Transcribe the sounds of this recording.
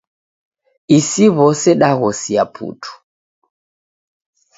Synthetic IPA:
isiβɔsɛɗaɣɔsiapʰṵtʰu̥

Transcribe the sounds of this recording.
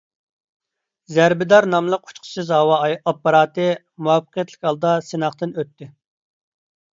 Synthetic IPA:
zæɾbɪd̪ɑɾnɑmlˠəqu̥t͡ʃqʰə̥sɨzɦɑwɑːpːɑɾɑːt̪ɨ | muɑfːə̥qʰijɛt̪ʰlɪkʲhɑlˠd̪ɑsenɑχt̪ɨnøt̪ːɪ

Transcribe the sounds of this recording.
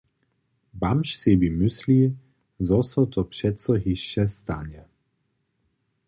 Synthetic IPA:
bamʃsibimʏsli | zɔsɔt̪ʰɔpʃɛt̪sɔɦiʃːɛst̪anɛ

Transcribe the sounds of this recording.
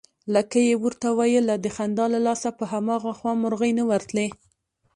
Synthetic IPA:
ləkajewuɾt̪awɑjəlːad̪əxand̪ɑlalɑsapəɦamɑɣaxwɑmʊɾɣəjnəwaɾt̪le

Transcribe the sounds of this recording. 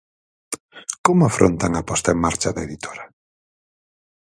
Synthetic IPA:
komʊafɾʔo̰nt̪aŋapɔst̪aeŋmaɾt͡ʃaðaeðit̪ʰoɾɐ

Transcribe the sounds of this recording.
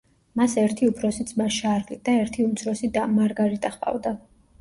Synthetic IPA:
masɛɾt̪ʰiupʰɾɔsit̪sʰʼmaʃaɾqʼid̪aɛɾt̪ʰiumt̪sʰɾɔsid̪amaɾɡaɾit̪ʼaχpʼa̰vd̪a

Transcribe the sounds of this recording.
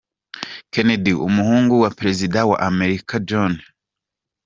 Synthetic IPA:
kenediṵmuhuːŋɡuwapɾe̞zidawa̰ʔame̞ɾikad͡ʒon

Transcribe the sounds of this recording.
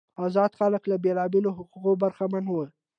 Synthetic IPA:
ɑzɑd̪xaləklabelɑbeloɦʊquqobaɾxamanwə

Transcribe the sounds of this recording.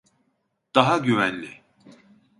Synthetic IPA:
d̪̥aɦaɟyvænlʲi

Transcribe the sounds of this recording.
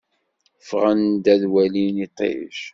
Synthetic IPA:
fʁənd̪æðwælinit̪ˤḛʃ

